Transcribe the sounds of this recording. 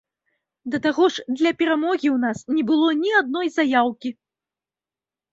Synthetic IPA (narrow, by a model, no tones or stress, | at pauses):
d̪ɐt̪aɣɔʐd̪lʲɐpʲɛɾamɔɣʲiwnasnʲɛbɨlˠɔnʲiad̪̚nɔjzajawkʲi